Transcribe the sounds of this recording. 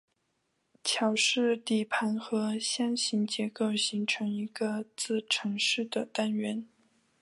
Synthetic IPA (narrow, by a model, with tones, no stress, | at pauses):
t͡ɕʰjɑ˨˩ʊʂɻ̩˥˧t̪i˨˩pʰa˧˥nxɤ˧˥ɕjɑ˥ŋɕi˧˥ŋt͡ɕjɛ˧˥ko˥˩ʊɕi˧˥ŋʈ͡ʂʰɤ˧˥ŋi˧˥ɡə˧t͡sɹ̩˥˩ʈ͡ʂʰɤ˧˥ŋʂɻ̩˥˩d̪ə˩t̪a˥nɥɛ˧˥n